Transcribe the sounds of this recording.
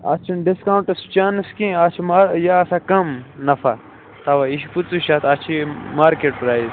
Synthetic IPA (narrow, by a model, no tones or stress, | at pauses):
ɐ̰t͡ʃʰinɖiskawɳʈɐst͡ʃaːnskẽːɐt͡ʃʰimaːɾjaɐsakɐmnɐfa | t̪ɐwaiʃiput͡suʃaːt̪ʰɐt͡ʃʰimaːɾkeːʈpɾaːjz